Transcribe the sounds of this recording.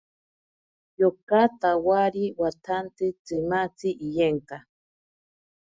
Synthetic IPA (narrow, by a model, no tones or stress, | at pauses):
jokat̪awaɾiwat̪ʰant̪ɨt͡sɨmat͡siʔijeŋka